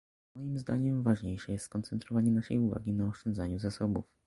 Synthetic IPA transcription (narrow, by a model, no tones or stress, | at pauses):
mɔjimzd̪aɲɛmvaʐɲejʂɛjɛst̪kɔnt̪sɛnt̪ɾɔvaɲɛnaʂɛ̰juva̰ɡʲinaɔʂt͡ʂɔnd̪zaɲuzasɔbuf